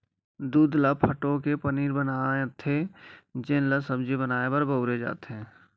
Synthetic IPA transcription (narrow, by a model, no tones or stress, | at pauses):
d̪uːd̪lapʰəʈokepəniːɾbənaːet̪ʰed͡ʒɪnləsəbd͡ʒibənaːebɐɾbəʊɾed͡ʒa̰ːt̪eɦɛ̃ː